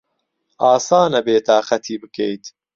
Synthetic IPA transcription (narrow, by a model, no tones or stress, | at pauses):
ʔaːsaːnɐbeːt̪ʰaːχxɐt̪ʰiːbɨkʰejt̪